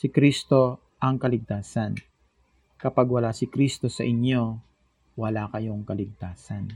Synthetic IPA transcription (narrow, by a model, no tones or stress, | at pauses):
sɪkɾist̪o̞ | ʔɐŋkɐlɪɡ̚t̪aːsɐn | kɐpaɡwɐlaːsɪkɾist̪o̞sɐʔɪɲjo̞ | wɐlaːkɐjo̞ŋkɐlɪɡ̚t̪aːsɐn